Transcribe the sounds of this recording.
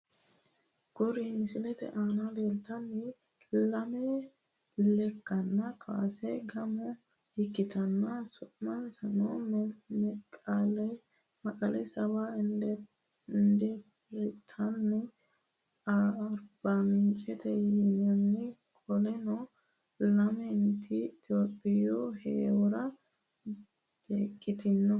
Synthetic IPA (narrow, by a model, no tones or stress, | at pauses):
ɡ̥ɔɾimɪsɪlɛt̪ɛ̰ʔaːnɐleːlt̪ɐnːɛ | lɐmɛ | lɛkːɐnːɐkʰʼa̰ːsɛɡɐmʊ | ɪkːɪt̪ʰɐnːɐsʊʔmɐnsɐno | ɛkʼaːlɛ | mɐkʼɐlɛsɐband̪ | nd̪ɛp | ɾɪt̪ʰɐnːɛ | ɾb̥amɪnt͡ʃʼɛt̪ɛjɛnɪanːɛkʼɔlɛnɔ | lɐmɛnt̪ʰiɪt̪ɪoːpʼːɪjohḛːwʊɾɐ | b̥eːkʼːɪt̪ɪnːɔ